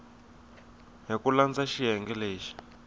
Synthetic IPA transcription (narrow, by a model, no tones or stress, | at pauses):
ɦikuland͡zaʃiɦɛŋɡɛleːʃi̥